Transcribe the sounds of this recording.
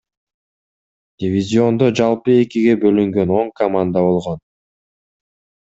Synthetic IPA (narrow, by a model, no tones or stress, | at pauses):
d̪ʲɪvʲizʲio̞nd̪o̞d͡ʒɑlˠpɯe̞kiɡe̞bø̞lyŋɡø̞no̞ɴkɐmand̪aβo̞lˠʁo̞n